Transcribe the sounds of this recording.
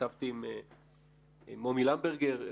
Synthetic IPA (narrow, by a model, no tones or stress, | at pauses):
avt̪iːm | momilambeʁɡeʁ